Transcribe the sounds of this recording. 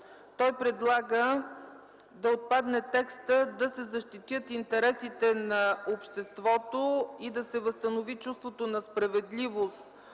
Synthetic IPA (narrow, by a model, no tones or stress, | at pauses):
t̪ɔjpɾɛd̪lˠaɡə | d̪ɐot̪̚pad̪nɛt̪ɛkst̪əd̪ɐsɛzɐʃt̪it̪jət̪int̪ɛɾɛsit̪ɛnɐopʃt̪ɛst̪vɔt̪oid̪ɐsɛvəst̪ənovit͡ʃust̪vot̪onɐspɾɐvɛd̪livost̪